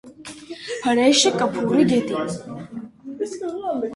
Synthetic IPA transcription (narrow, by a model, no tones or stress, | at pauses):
pʰɐɾɛjʃɛkʼɐpʰuːɾiɡɛt̪ʼi